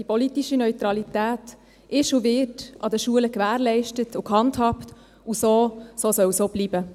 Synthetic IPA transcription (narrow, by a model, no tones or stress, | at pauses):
d̥ipɔlitiʃinœʏt̪ɾɑlitæːt | ɪʃuʋɪtɑdəʃuələkʋæːɾlɛɪʃtətʊkhɑnthɑpt | usoːsoːsœwsoːb̥liːbə